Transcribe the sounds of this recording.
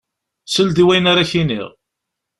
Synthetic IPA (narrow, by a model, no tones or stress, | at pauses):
səld̪iwæjnaɾaçinḭʁ